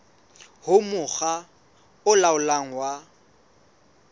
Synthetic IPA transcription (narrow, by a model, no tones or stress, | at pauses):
hʊmʊɣa | ʊlaʊlaŋ̩wa